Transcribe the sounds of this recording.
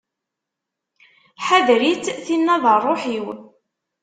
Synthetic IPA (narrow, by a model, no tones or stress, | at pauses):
ħaðɾit͡sθinːɑðˤərˤːoħiw